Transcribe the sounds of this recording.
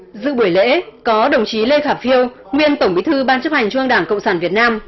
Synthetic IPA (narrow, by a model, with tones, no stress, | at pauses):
zɨ̰˧˨ɓu˧˩əjlḛ˧˥kɔ˨˦ɗə˨˩wŋ͡mt͡ɕi˨˦le˧xaː˧˩fi˧əw | ŋwi˧ənt̪ə˧˩wŋ͡mɓi˨˦t̪ʰɨ˧ɓaː˧nt͡ɕə˦˥ha˨˩jŋ̟t͡ɕwɨ˧əŋɗaː˧˩ŋkə̰˧˨wŋ͡msaː˧˩nvi˨˩ət̚naː˧m